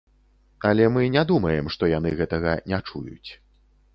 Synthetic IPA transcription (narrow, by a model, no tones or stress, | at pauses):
ɐlʲɛmɨnʲad̪umɐjɛmʂt̪ɔjan̪ɨɣɛt̪ɐɣɐnʲat͡ʂṵjṵt͡sʲ